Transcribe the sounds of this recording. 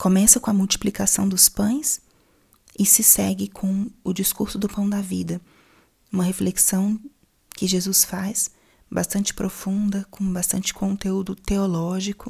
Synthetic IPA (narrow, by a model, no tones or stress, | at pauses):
kʰomɛsɐkõɐmuwt͡ʃi̥plikasɐ̃w̃d̪ʊspɐ̃j̃s | ɪsɪsɛɡɪkʰõw̃ʊd͡ʒiskuɾsʊd̪ʊpɐ̃w̃d̪ɐvid̪ɐ | ũmɐɦefleksɐ̃w̃ | kɪʒezusfas | bast̪ɐ̃nt͡ʃɪ̥pɾʔofũnd̪ɐkõbast̪ɐ̰̃nt͡ʃɪ̥kʰõt̪eud̪ʊt̪eolɔʒikʊ